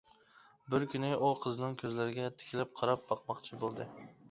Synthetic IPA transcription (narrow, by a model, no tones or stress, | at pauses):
bɪɾkʲynɪʔuqʰɨznɪŋkʲʰɵzlaɾɪɡʲɛt̪ʰɪ̥kʲʰlɪp̚qʰɑɾɑp̚bɑqmɑqt͡ʃʰɪbolˠd̪ɪ